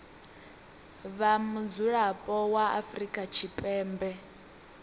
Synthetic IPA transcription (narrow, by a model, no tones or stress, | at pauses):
βamud͡zuɺapʼɔwaʔa̰fɾikʼat͡ʃʰipʼɛːmbɛ